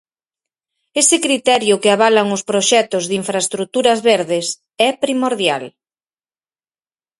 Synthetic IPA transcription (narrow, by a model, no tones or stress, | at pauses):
esɪkɾit̪ɛɾjʊkɪaβ̞alaŋʊspɾoʃɛt̪ʊzðiɱfɾaest̪ɾut̪uɾɐzβeɾðɪs | ɛpɾimoɾðjal